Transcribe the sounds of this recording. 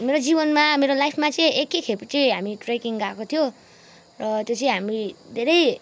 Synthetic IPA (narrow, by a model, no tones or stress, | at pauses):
meɾod͡ziβʌnmameɾolajpʰmat͡sʌĩekːekʰept͡sʌĩɦamiʈrekiŋɡakot̪ʰijo | rʌt̪jot͡sʌĩɦamid̪ʱeɾʌj